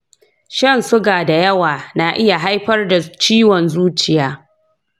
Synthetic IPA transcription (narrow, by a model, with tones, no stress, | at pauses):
ʃɐ˦˨nsʊ˦ɡaː˨da˨jɐ˦waː˨na˦ʔɪ˦ja˨ɦa˦jɸɐ˦rda˨t͡ʃiː˦wɔ˨nzuː˦t͡ʃɪ˨jaː˦